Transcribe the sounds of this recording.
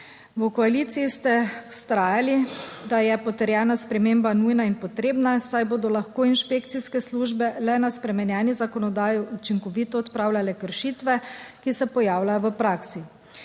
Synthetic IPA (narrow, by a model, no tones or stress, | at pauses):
wəkɔaliːt̪siist̪ɛ̥st̪ɾaːjalid̪ajɛpɔt̪ɛɾjɛːnaspɾɛmeːmbanujnainpɔt̪ɾeːbnasajboːd̪ɔlaxkoːinʃpekt̪siskɛsluːʒbɛlɛnaspɾɛmɛnjɛːnizakɔnɔd̪aːjiut͡ʃiŋkɔʋiːt̪ɔɔt̪pɾaːwlʲalɛkəɾʃit̪ʋɛkisɛpɔjaːwlajɔʋəpɾaːksi